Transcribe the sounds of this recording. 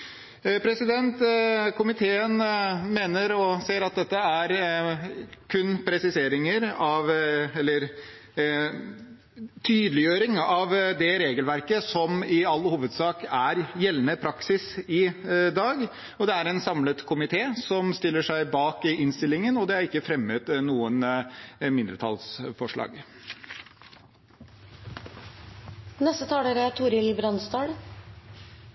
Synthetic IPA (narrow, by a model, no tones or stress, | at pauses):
pʰɾɛsɪd̪ɛnt̪kʰʊmɪt̪ʰeːənmeːnəɾɔseːɾɑt̪̚d̪ɛt̪ːəæɾ | kʰʉnːpʰɾɛsɪseːɾɪŋəɾɑʋɛlːəɾ | t̪ʰyːd̪əlɪjøːɾɪŋɑʋd̪ɛɾeːɡəlʋæɾkəsɔmɪɑlːhuːʋəd̪sɑːkæɾjɛlːnəpʰɾɑksɪsɪd̪ɑːɡ | ɔd̪ɛæɾɛnsɑmlət̪kʰʊmɪt̪ʰeːsɔmst̪ɪlːəʂæɪbɑːkɪnst̪ɪlːɪŋənɔd̪ɛæɾɪkːəfɾɛmːət̪nuːənmɪnd̪ɾət̪ʰɑ̰lsfɔʂɭɑ̰ːɡ | nɛst̪ət̪ʰɑːɽəɾɛt̪ʰʊːɾɪlbɾɑnst̪ɑːɽ